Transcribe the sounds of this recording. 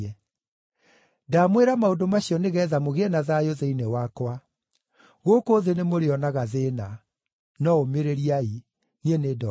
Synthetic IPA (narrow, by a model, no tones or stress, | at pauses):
ɛ | damweɾamaodomaɕiɔneɣɛðamoɣeɛnaðajoðeinewakwa | ɣoːkoːðenemoɾeɔnaɣaðena | nɔomeɾeɾiai | nienedɔ